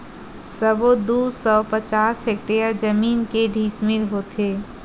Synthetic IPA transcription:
səbod̪usɔpət͡ʃasek̚ʈejəɾd͡ʒəminkeɖʱismiɾɦot̪ʰe

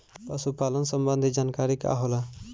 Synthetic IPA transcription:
pəsupaːlənsəmbənd̪ʱid͡ʒaːnkaːɾika̰ɦola

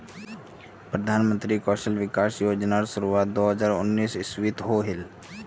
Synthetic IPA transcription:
pɾəd̪ʱaːnmə̃nt̪ɾikɔːʃəlʋɪkaːsjoːd͡ʒnaːɾsʊɾuʋaːt̪d̪oːɦəzaːɾʊnːiːsɪswit̪ɦoɦɪl

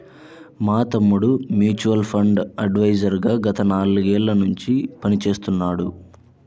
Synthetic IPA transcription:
maːt̪ɐmːuɽumjuːt͡ʃuʋɐlpʰɐɳɖɐɖʋɐjd͡ʒɐɾɡaːɡɐt̪ɐnaːluɡɛːɭːɐnuɲt͡ʃipɐnit͡ʃe̞ːst̪unːaːɽu

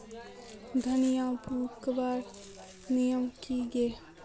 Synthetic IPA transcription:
d̪ʱənijãbuːkbaːɾ | nijəmkiɡe

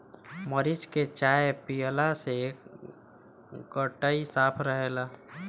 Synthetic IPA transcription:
məɾɪt͡ʃket͡ʃaːjpijəlase | ɡəʈəisaːpʰɾəɦeːlaː

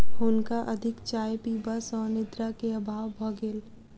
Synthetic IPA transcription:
ɦʊnkaʔɐd̪ʱɪkt͡ʃaːjpiːbasɔːɾnɪd̪ɾakeɐbʱaːʋbʱɐɡeːl

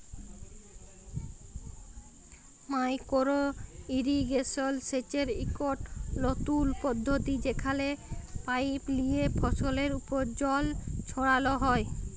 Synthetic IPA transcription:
majkoɾoiɾiɡesolset͡ɕeɾikoʈlot̪ulpod̪ʱːot̪id͡ʑekʰalepajplijepʰɔsoleɾupoɾd͡ʑɔlt͡ɕʰoɽaloɦɔe

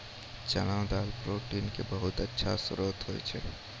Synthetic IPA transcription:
t͡ʃənãd̪aːlpɾoːʈiːnkebəɦʊt̪ətːʃʰa̰sʊɾoːt̪ɦoḭt͡ʃʰe

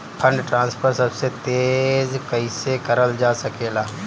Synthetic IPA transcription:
pʰə̃ɳɖʈɾãːnspʰəɾsɐbset̪eːzkɐisekɐɾəld͡ʒaːsɐkeːlaː

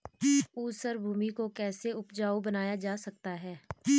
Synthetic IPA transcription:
uːsəɾbʱuːmikokɛːseʊpd͡ʒaːubɐnaːjad͡ʒaːsɐk̚t̪aɦɛː

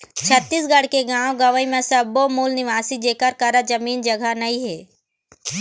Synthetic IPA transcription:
t͡ʃʰət̪ːiːsɡɐɽ̤keɡãːõɡɐʋəimẽsɐbomuːlnɪʋaːsid͡ʒeːkəɾkəɾad͡ʒɐmiːnd͡ʒɐɡʱanɐĩɦɛː

